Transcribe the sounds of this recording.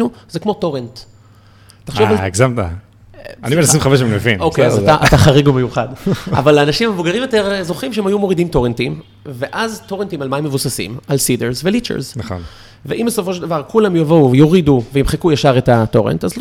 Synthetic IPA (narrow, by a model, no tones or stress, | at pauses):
uzekmo̞to̞ʁent | taχʃovaleɡzamta̰ | a̰nimenasimχaveʃemmevinokejazataʔataχaʁiɡumejuχada̰valaːnaʃimamevuɡaʁimjoteʁzo̞χimʃeemajumo̞ʁidimto̞ʁentim | veʔazto̞ʁentimalmaimːevusasḭmalsideʁzvelit͡ʃḛʁznaχo̰n | veʔimbesofo̞ʃeld̪avaʁkulamjavouvejoʁiduveimχekujaʃaʁetato̞ʁḛntaz